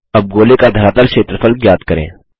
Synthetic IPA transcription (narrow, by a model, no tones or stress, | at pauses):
ɐb̚ɡoːlekad̪ʱəɾaːt̪əɾʃeːt̪ɾəfəlkjaːd̪kəɾḛ̃ː